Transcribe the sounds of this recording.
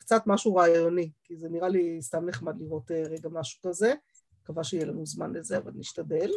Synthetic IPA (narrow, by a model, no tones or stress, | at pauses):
kt͡satmaʃuʁaːjjo̞nikizeniʁalist̪amneχmad̪liʁo̞teʁeɡamaʃu̥kaze | kavaʃejelanuzmanlezeava̰lniʃtade̞l